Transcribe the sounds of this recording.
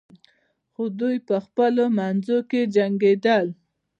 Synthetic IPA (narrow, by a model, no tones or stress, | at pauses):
xod̪ujpəxpəlomanzoked͡ʒaŋɡed̪əl